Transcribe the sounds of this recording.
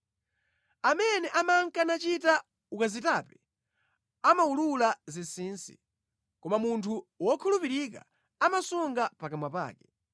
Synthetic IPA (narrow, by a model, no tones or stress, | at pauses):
amɛnɛʔamaŋkanat͡ʃita | ukazitapɛ̥ | amaululazisiːnsi̥̰ | kɔmamuntʰuwɔkʰulupiɾik̬a̰ | amasuŋɡapakamwapa̰ːkɛ